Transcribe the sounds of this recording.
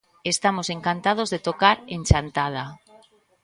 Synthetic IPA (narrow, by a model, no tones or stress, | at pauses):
est̪amoseŋkant̪að̞ozðet̪okaɾenʲt͡ʃant̪að̞a